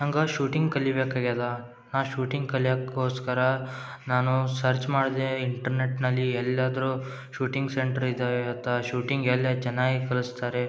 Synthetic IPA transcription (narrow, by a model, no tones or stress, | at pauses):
ɐŋɡɐʃuːʈiŋɡkɐlːibeːkaːɡalːa | naːʃuːʈiŋɡkɐlijaːkːoːskɐɾɐ | naːnusɐɾt͡ʃmaːɽd̪eiɳʈɐɾneʈnɐlːiɛlːaːd̪ɐɾu | ʃuːʈiŋɡseɳʈɐɾid̪aːʋeɐt̪ʰɐʃuːʈiŋɡelːad͡ʒɐnaːɡikɐlust̪aːɾe